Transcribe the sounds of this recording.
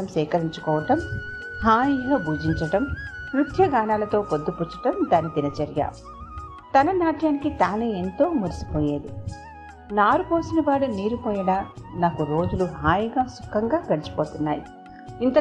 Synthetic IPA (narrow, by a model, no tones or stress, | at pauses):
ɐmsɛːkɐɾiɲt͡ʃu̥kɔːʋɐʈɐm | haːjiɡaːbʱuːd͡ʒiɲt͡ʃɐʈɐmmɾut̪ʰjɐɡaːnaːlɐt̪o̞ːpod̪ːuput͡ʃːɐ̥ʈɐmd̪aːnid̪inɐt͡ʃɐɾjɐ̰ | t̪ɐnɐnaːʈjaːnikit̪aːnee̞nt̪o̞ːmɐɾisi̥poːjeːd̪i | naːɾupoːsinɐʋaːɽuniːɾupɔːjɐɽaːnaːkuɾo̞ːd͡ʒuluɦaːjiɡaːsu̥kʰːɐŋɡaːɡɐɽit͡ʃi̥poːt̪unːaːji | int̪ɐ